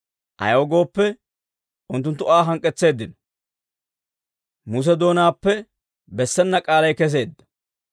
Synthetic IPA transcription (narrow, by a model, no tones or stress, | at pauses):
ʔɐ̰joːɡo̞ːpːɛ | ʊnt̪ːʊnt̪ːʊaːɦɐŋkʼːɛt͡sːe̞ːd̪ːɪnɔ | mus̬ɛd̪o̞ːnaːpːɛ | bɛsːɛnːɐkʼaːlɐjkɛs̬e̞ːd̪ːɐ̥